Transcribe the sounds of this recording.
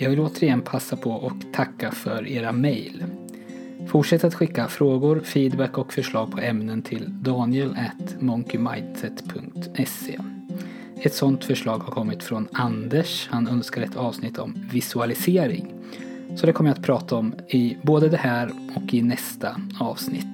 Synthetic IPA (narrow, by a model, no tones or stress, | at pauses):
jɑːɡvɪloːt̪əɾɪjɛnpʰasːapʰɔʔɔkt̪ʰakːafœɾeːɾamɛjl | fʊʈʂɛt̪ːat̪ɧɪkːafɾoːɡʊɾfiːd̪bɛkːɔkfœʂɭɑːɡ̚pʰɔɛmnənt̪ʰɪld̪ɑːnɪəlæt̪mɔŋkʏmajnsɛt̪pʰɵŋkt̪ɛsḛː | ɛt̪sɔnt̪fœʂɭɑːɡhaɾkʰɔmːɪt̪fɾɔnand̪əʂhanœnskaɾɛt̪ʰɑːvsnɪt̪ʰːɔmvɪsɵalɪseːɾɪ̰ŋ | sɔd̪ɛkʰɔmːəjat̪̚pʰɾɑːt̪ʰaɔm | ɪboːd̪əd̪ɛhæːɾɔkɪnɛst̪aɑːvsnɪ̰t̪ː